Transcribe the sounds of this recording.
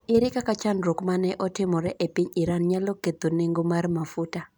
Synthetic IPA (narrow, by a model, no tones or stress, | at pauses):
iɾikakat͡ʃandɾɔkumanɛʔɔtʰɛmuɾɛʔɛpiɲiɾanɲalɔkɛd̪unɛŋɡumaɾimafuta